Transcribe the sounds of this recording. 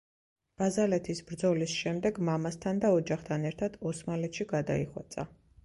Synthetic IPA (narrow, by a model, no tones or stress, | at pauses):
b̥azalɛt̪ʰisbɾd̪zɔlisʃɛmd̪ɛɡmamast̪ʰand̪aɔd͡ʒaχt̪ʰanɛɾt̪ʰad̪̥ɔsmalɛt̪ʃiɡad̪a̰iχwa̰t̪sʼa̰